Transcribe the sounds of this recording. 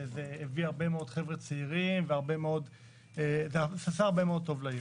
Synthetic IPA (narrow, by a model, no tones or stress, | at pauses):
zeːviaʁbemeo̞d̥̪χevʁet͡seiʁimveaʁbe̞meod̪ | ezesasaaʁbemeo̞d̚t̪o̞vlajo